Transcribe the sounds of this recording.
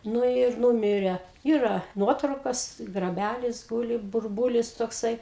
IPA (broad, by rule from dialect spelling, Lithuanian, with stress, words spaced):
ˈnʊ ɪr ˈnuːmʲɪrʲɛ ˈiːrɐ ˈnuɔtrɐʊkɐs ɡrɐˈbʲælʲɪs ˈɡuːlʲɪ bʊrˈbuːlʲɪs toːkˈsɐɪ